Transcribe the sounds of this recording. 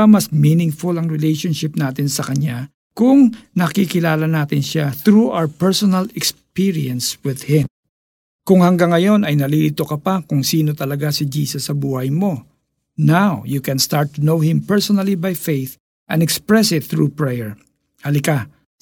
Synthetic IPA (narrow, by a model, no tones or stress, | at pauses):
ɐmɐsminɪŋfʊlɐŋɹɛlejʃonʃɪp̚naːt̪ɪnsɐkɐɲa | kʊŋnɐkikɪlaːlɐnaːt̪ɪnʃaθɾuʔa̰wɹpɛɹsonɐlɛkspiɹiɐ̃nswɪðhɪ̃m | kʊŋhɐŋɡaŋːɐjo̞nɐjnɐlilit̪okɐpakʊŋsiːno̞t̪ɐlɐɡasɪd͡ʒiːsɐsːɐbuːhɐjmo̞ | nawjukɛ̃nst̪aɹt̪ːʊnowhɪ̃mpɛɹsonɐlibajfejθ | ʔɐ̰nd̪ɛkspɹɛsɪt̪θɹupɹɛjɛɹ | hɐlɪka